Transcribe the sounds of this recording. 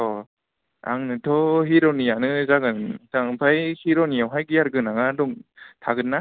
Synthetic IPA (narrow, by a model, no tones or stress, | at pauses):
ɔ | a̰ŋnɯtʰɔɦiɾɔnijanɯzaɡɯntaŋpʰajhiɾɔnijawɦajɡɯaɾɡɯnaɡadɔŋtʰaɡɯnːa